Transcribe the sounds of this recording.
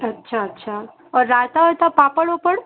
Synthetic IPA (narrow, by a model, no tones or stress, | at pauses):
ətːʃʰaətːʃʰa | ɔɾat̪aɦojt̪apapəɭopəɽ